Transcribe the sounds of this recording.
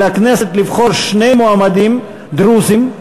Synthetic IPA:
akneset̪livχoɾʃnejmoamad̪im | d̪ɾuzim

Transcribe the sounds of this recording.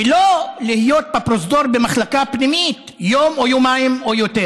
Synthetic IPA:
elo̞lihijo̞t̪̚bapɾos̬d̪o̞ɾbemaχlakapnimit̪ | jomojomaimojot̪e

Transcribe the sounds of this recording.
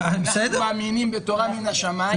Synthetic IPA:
besedmaːminimbet̪o̞ʁaminaʃama

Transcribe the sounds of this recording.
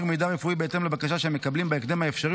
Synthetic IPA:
ɡmejd̪aʁefuibeet̪e̞mlebakaʃaʃeemːe̞kablimbeekd̪emhaefʃaʁi

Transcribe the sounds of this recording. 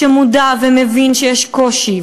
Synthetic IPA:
emud̪avemevinʃejɛʃkoʃi

